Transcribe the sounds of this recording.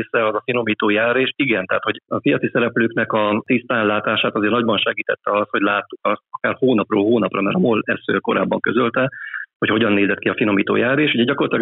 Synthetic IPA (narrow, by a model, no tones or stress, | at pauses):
sɛɒzɒfino̞miːt̪oːjaːreːʃiɡɛnt̪ɛɦaːt̪hoɟɒfijɒtsisɛɾɛpløːknɛkɒt̪ist̪aːnlaːt̪aːʃaːt̪ɒzeːɾrnɒɟbɒnʃɛɡiːt̪ɛt̪ːɛɒst̪ho̞ɟlaːt̪ːukɒst̪ɒkaːrhoːnɒproːlɦoːnɒprɒmɛɾɒmolɛsø̰ko̞ɾa̰ːbːɒŋkø̞zølt̪ɛho̞choɟɒnːeːzɛt̪̚kiɒfino̞miːt̪o̰ːjaːreːʃuɟɛɟɒkorlɒt̪ilɒɡ